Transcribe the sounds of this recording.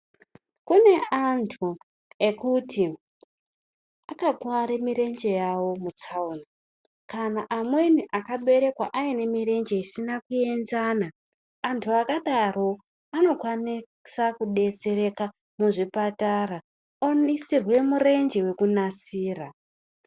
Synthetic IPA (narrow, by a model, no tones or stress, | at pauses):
kune̞ʔantʰu | e̞kutʰi | akakwaɾemiɾe̞nd͡ʒe̞jawo̞mut͡sauna | kanaʔamwe̞niʔakaɓe̞ɾe̞kwaʔaine̞miɾe̞nd͡ʒe̞isinakue̞nzaːnaː | ntʰuakaɗaro̞ | ano̞kwani | sakuɗe̞t͡se̞ɾe̞ka | muʐipatara | onisirwe̞mure̞nd͡ʒewe̞kunasiːra